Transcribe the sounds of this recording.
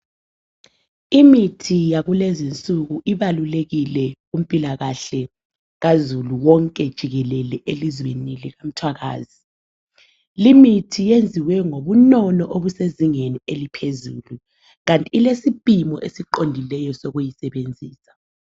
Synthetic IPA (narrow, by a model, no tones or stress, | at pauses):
imitʰijaɣulezint͡sʼuɣuʔiβaluleɣilɛ | um̩pʼilaɣaɬɛ | ɣazuluwɔŋkʼɛd̥ʒ̥ʱiɣɛlɛlɛʔelizweniliɣam̩tʰwaɣa̰ːzi | limitʰijend͡zʱiwɛŋoβunɔnɔʔoβuseziŋenielipʰezṵːlu | ɣantʼiːlesipʼimɔʔesiǃondʱilɛjɔsɔɣujisɛβend͡zʱiːsḁ